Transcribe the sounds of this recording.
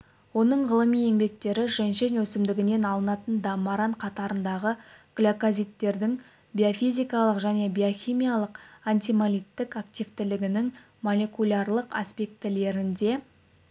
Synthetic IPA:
wo̞nəɴʁəlˠəmije̞ŋbe̞k̚t̪e̞ɾɪʒenʃe̞nɵsɪmd̪ɪɡʲɪne̞nɑlˠənɑt̪ənd̪ɑmɑɾɑɴqʰɑt̪ɑɾənd̪ɑʁəɡ̥lʲokozʲijt̪ːe̞ɾd̪ɪŋ | bʲiofijzʲijkɑlˠəqʒæne̞bʲioxʲimʲijalˠəqant̪ijmalʲijt̪ːɪkakt̪ʲijvt̪ɪlɪɡʲɪnɪŋ | molʲekulʲarlˠəqa̰spʲe̞k̚t̪ɪle̞ɾɪnd̪e̞

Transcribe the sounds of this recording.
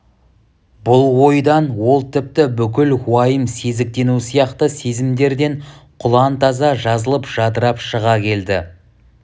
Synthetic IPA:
bʊlˠwo̞jd̪ɑnwo̞lˠt̪ʰɪp̚t̪ɪbʏkʲɪlwɑjəmse̞zɪk̚t̪e̞nusijɑqt̪əse̞zɪmd̪e̞ɾd̪e̞ɴqʰʊlˠɑnt̪ɑzɑʒɑzəlˠəpʒ̥ɑd̪əɾɑpʃəʁɑkʲʰe̞ld̪ɪ

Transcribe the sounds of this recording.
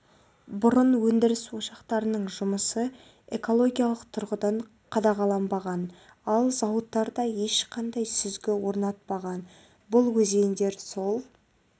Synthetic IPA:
bʊɾʊnwɵnd̪ɪɾɪswo̞ʃɑqt̪ɑɾənəɴʒʊməsə | e̞ko̞lˠo̞ɡʲijalˠəqt̪ʰʊɾʁəd̪ɑɴ | qʰɑd̪ɑʁɑlˠɑmbɑʁɑn | ɑlˠzɑwət̪ːɑɾd̪ɑje̞ʃqʰɑnd̪ɑjsʏzɡʲɪwo̞ɾnɑt̪̚pɑʁɑn | bʊlˠwɵze̞nd̪eɾso̞lˠ

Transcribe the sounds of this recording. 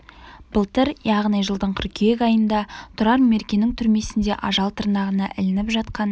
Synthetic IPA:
b̥əlˠt̪əɾjɑʁnijʒəlˠd̪əɴkʲʰʏɾkʲʰejekʲɑjənd̪ɑt̪ʰʊɾɑɾme̞ɾkʲe̞nɪŋt̪ʰʏɾme̞sɪnd̪e̞ʔɑʒɑlˠt̪ʰəɾnɑʁənɑʔɪ̰lɪnɪpʒɑt̪̚qɑn

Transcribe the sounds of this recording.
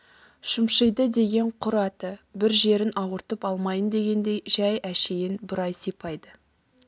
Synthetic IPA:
ʃəmʃəjd̪əd̪e̞ɡʲe̞ɴqʰʊɾɑt̪əbɪɾʒe̞ɾɪnʔɑwəɾt̪əpɑlˠmɑjənd̪e̞ɡʲe̞nd̪e̞jʒæjæʃe̞jɪnbɪɾɑjsipʰɑjd̪ə

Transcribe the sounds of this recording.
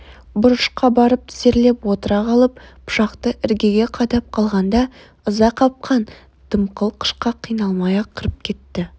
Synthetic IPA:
bʊɾəʃqɑbɑɾəp̚t̪ʰɪ̥se̞ɾle̞pwo̞t̪əɾɑʁɑlˠəp̚pʰʊ̥ʃɑqt̪əʔɪɾɡʲe̞ɡʲe̞qʰɑd̪ɑp̚qʰɑlˠʁɑnd̪ɑ | ʊzɑqʰɑp̚qʰɑn | d̪̥əmqəlˠqʰə̥ʃqɑqʰijnɑlˠmɑjɑqʰəɾəp̚kʲʰe̞t̪ːɪ

